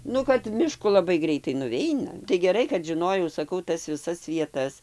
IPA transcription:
ˈnʊ kɐt mʲɪˈʃkʊ lˠɐˈbɐɪ ˈɡrʲɛɪtɐɪ nʊˈʋʲɛɪnɐ tɐɪ ɡʲɛˈrɐɪ kɐt ʒʲɪˈnoːjɛʊ sɐˈkɐʊ ˈtɐs ʋʲɪˈsɐs ʋʲiɛˈtɐs

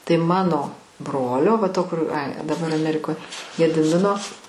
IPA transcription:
tɐɪ ˈmɑːnoː ˈbroːlʲoː ʋɐ ˈtoː kʊr ɐɪ dɐˈbɐr ɐˈmʲæːrʲɪkoːj ɡʲɛdʲɪˈmʲɪnoː

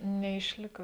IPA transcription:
nʲɛɪʃʲˈlʲɪkɐ

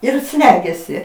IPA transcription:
ɪr ˈsʲlʲæːɡʲɛsʲɪ

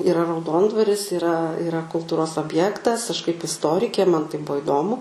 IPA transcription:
iːˈrɐ rɐʊˈdoːndʋɐrʲɪs iːˈrɐ ɪˈrɐ kʊlˠˈtuːroːs oːbʲˈjæːktɐs ɐʃ kɐɪp ɪsˈtoːrʲɪkʲeː mɐn tɐɪ ˈbuɔ ɪˈdoːmʊ

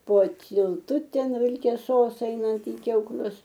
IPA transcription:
poː tʲiːlˠˈtʊˈtʲɛn ʋʲɪlʲkʲɛˈsoːs ˈɛɪnɐnt ɪ kʲɛʊˈklʲʊs

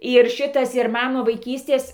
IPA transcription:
ɪr ˈʃʲɪtɐs ɪr ˈmɐn ˈnʊ ʋɐɪˈkʲiːsʲtʲeːs

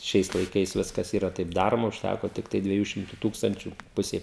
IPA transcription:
ˈʃʲɛɪs lˠɐɪˈkɐɪs ˈʋʲɪskɐs ˈiːrɐ tɐɪp ˈdɑːroːmɐ ʊʃʲˈtʲækoː ˈtʲɪktɐɪ dʲʋʲiɛˈjuː ˈʃʲɪmtʊ ˈtuːkstɐnʲt͡ʃʲʊ ˈpʊsʲɛɪ

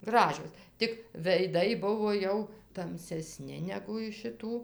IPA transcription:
ˈɡrɑːʒʲoːs tʲɪk ʋʲɛɪˈdɐɪ ˈbʊʋoː ˈjɛʊ tɐmʲsʲɛˈsʲnʲɪ nʲɛɡʊ ɪʃ ʃʲɪˈtuː

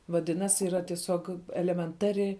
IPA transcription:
ʋɐˈdʲɪnɐsʲ iːˈrɐ tʲiɛˈsʲoːk ɛlʲɛmʲɛnˈtɑːrʲɪ

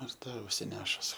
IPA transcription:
ɪr ˈtɐ ʊʃʲsʲɪˈnʲæːʃʊs

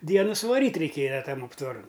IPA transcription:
ˈdʲiɛnʊ sʊʋɐˈrʲiːtʲ rʲɛɪˈkʲeːjɛ ˈtɐm ɐptʋɐˈrɐn

